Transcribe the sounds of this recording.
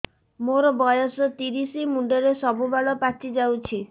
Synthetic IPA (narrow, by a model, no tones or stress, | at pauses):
moɾɔbɔjɔsɔt̪iɾisimuɳɖɔɾesɔbubaɭɔpat͡ʃid͡ʒawt͡ʃʰi